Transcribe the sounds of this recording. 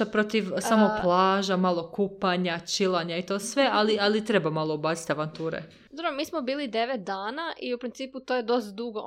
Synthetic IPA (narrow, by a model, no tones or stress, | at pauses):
apɾo̞t̪iʋsaːmoplˠaːʒamaːlˠo̞kupaɲat͡ʃilˠaɲait̪o̞ːsʋe̞ʔalialit̪ɾe̞bamalˠoobaːt͡s̪i̥t̪aʋant̪uːɾḛ | d̪oɾɾomiːsmobiːlid̪e̞ʋet̪̚d̪aːnaʔiupɾint̪siːput̪ojed̪o̞st̪d̪uɡo